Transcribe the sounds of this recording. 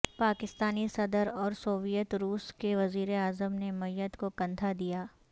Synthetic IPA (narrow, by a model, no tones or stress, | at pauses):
paːkɪst̪aːnisɐd̪əɾɔːɾsoːʋijət̪ɾuːskeʋɐziːɾeaːzəmnemɐjət̪kokɐ̃nt̪ʰad̪ijaː